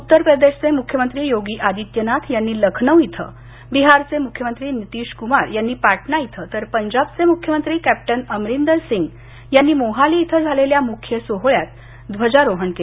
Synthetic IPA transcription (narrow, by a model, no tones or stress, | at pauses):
ut̪ːəɾpɾəd̪eɕt͡semukʰjəmənt̪ɾiːjoɡiːʔad̪it̪jənat̪ʰjanːiːləkʰnəʋit̪ʰə̰ | biɦaɾt͡semukʰjəmənt̪ɾiːnit̪iːɕkumaɾjanːiːpaʈʰnait̪ʰət̪əɾpəɲd͡ʑabt͡semukʰjəmənt̪ɾiːkæp̚ʈənəmɾind̪əɾsiŋɡ | janːiːmoɦaliit̪ʰəd͡zʱaleljamukʰjəsoɦɭjat̪ | d̪ʋəd͡ʑaɾoɦəɳke